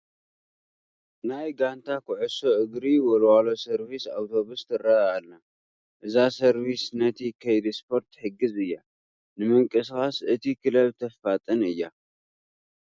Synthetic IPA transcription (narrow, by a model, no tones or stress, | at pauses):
najɡant̪ʰakʰʊʕɨso̞ʔɨɡɾiwɔlwalo̞sɐɾβisa̰wt̪ʰo̞βust̪ʰɨrːaalna | ʔɨzasɐɾβisnɐt̪ʰikʰɐjd̪ispʰo̞ɾt̪ħɨɡːɨzɨjːa | nɨmɨŋkʼɨskʼasɨt̪ʰikʰɨlɐβt̪ʰɐffat̪ʼɨnɨjːa